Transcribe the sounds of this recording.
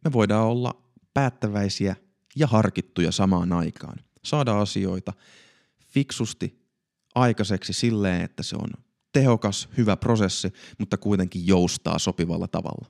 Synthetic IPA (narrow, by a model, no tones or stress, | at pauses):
meʋoidɑːolːɑ̰ | pæːt̪ːæʋæisiæ | jɑhɑrkit̪ːujɑ̰sɑmɑːnɑikʰɑ̰ːn | sɑːdɑɑsio̞it̪ɑ | fiksust̪i | ʔɑikɑseksisilːeːnḛt̪ːæsḛo̰n | t̪eho̞kɑshyʋæpro̞sesːimut̪ːɑkuit̪e̞ŋkijjoust̪ɑ̰ːso̞piʋɑ̰lːɑ̰t̪ɑ̰ʋɑ̰lːɑ